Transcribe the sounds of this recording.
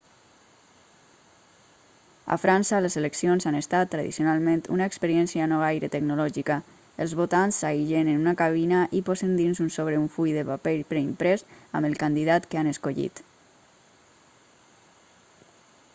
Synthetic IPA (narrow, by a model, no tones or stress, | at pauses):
a̰fɾʔansəlezeləksionzanest̪at̪ːɾaðḭsijonalˠment̪ṵnaekspəɾiɛnsianɔajɾət̪əɡnulɔʒika | əlˠzβot̪ansːajʒenenunakaβ̞inaʔipɔzənd̪inzunsoβɾeuɱfujðəpapeʎpɾeimpɾɛsa̰mbəlˠkand̪iðat̪kəanəskoʎḭt̪